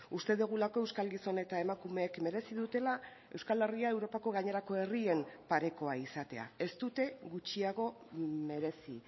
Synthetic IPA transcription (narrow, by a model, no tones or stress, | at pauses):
ust̪e̞ðoɣ̞ulako̞e̞wskalɡiso̞ne̞t̪ae̞makume̞ːkme̞ɾe̞siðut̪e̞la | e̞wskale̞riae̞wɾo̞pako̞ɣaɲe̞ɾako̞e̞rie̞mpaɾe̞ko̞aisat̪e̞a̰e̞st̪ut̪e̞ɣut͡ʃiaɣ̞o̞ | me̞ɾe̞si